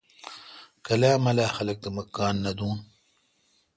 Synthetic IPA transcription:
kɐlaːmɐlaːxɐlɐk̚t̪ɐmɐkːaːnːɐd̪uːn

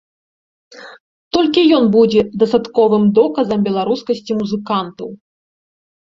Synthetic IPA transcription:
t̪ɔlʲkʲijɔnbud͡zʲɛd̪ɐst̪at̪kɔvɨmd̪ɔkɐzɐmbʲɛlˠaɾuskɐsʲt͡sʲimuzɨkant̪ɐw

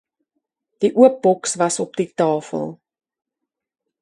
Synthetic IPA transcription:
d̥iʔuəp̚bɔksvɐsɔp̚ditɑːfə̰lˠ

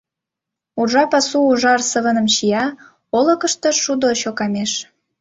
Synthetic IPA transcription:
urʒɑpɑsuuʒɑrsəβə̆nə̆mɕijɑ | olə̆kə̆ʃt̪ɤ̆ʃud̪oɕokɑmeʃ

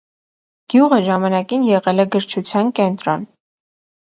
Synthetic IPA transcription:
ɡ̥juʁəʒɑmɑnɑkinjɛʁɛlɛɡəɾt͡ʃʰut͡sʰjɑnkɛnt̪ɾɔn

